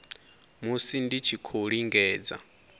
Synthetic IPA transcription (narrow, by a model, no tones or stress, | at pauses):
musindit͡ʃʰikʰoɺiŋɡɛːd͡za̰